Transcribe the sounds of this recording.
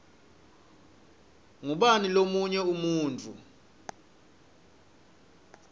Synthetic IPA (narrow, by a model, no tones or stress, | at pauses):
ŋuɓanilomuɲɛumuːnt͡fʰʼu